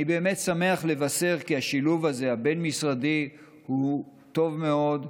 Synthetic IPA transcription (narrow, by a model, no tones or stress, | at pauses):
ibe̞ːmet̪same̞aχle̞vase̞ʁkiaʃiluvaze̞habe̞nmisʁadi | hu | t̪o̞vme̞o̞d